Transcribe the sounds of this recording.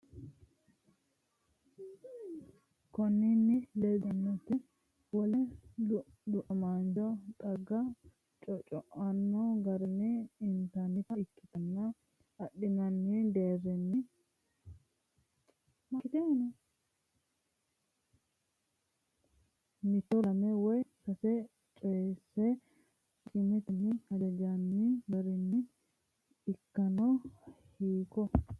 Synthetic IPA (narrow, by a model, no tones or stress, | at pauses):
kɔnːɪnːɪlɛd̪ɐnːɔt̪ːɪ | wɔlɛ | lʊʔɔmaːnd͡ʒɔt̪ʼɐɡːɐ | t͡ʃʼɔt͡ʃʼɔʔɐnːɔɡɐɾɛnːɛɪnt̪ɐnɪt̪ɐɪkːɪt̪ɐnːɐ | ɐɗːɪnɐnːɪd̪eːrːɛnːɪ | mɐkːɪt̪ɛnɐ | nɪt̪ːɔlɐmɛwɔjsɐsɛ | t͡ʃʼeːsːɛ | t͡ʃʼɪmɛt̪nɪhɐd͡ʒɐd͡ʒanːibɐɾɛnːɪ | ɪkːɐnɔ | hiːkːɔ